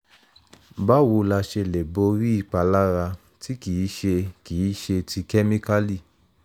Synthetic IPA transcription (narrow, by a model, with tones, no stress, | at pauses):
ba˦wo˧la˧ʃe˧le˨bo˧ɾi˦i˦˧˨k͡pa˨˧la˦ɾa˧ | ti˦ki˨˦ʃe˧ki˨i˦ʃe˧ti˧kɛ˦mĩ˦ka˦li˦˨